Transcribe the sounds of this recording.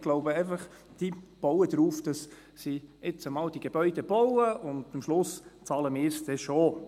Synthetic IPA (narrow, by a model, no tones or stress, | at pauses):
ɡ̥loʊbəɛɪfɑχ | d̥ib̥ɔʊədɾuːfd̥ɑs | siɪt͡səmɑːld̥iɡ̥eb̥œʏd̥eb̥ɔwəʔʊndəmʃlʊst͡sɑːləmɪːɾsd̥ɛʃo